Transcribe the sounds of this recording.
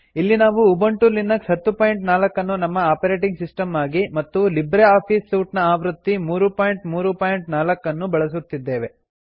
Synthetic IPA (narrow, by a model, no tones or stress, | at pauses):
ilːinaːʋuːbɐɳʈulinːɐksɦɐt̪ːupaːjiɳʈnaːlɐkːɐnːunɐmːɐaːpɐɾe̞ːʈiŋɡsisʈɐmaːɡimɐt̪ːulibɾeaːpʰiːsːuːʈnɐaːʋɾut̪ːimuːɾupaːjɳʈmuːɾupaːjiɳʈnaːlɐkːɐnːubɐɭɐs̬ut̪ːid̪ːe̞ːʋe̞